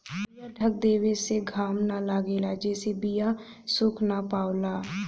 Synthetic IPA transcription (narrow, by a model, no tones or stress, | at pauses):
ijaːɖʱək̚d̪eːweseɡʱaːmnalaːɡeːlaːd͡ʒɛːsebijaː | sʊkʰnaːpaːʊlaː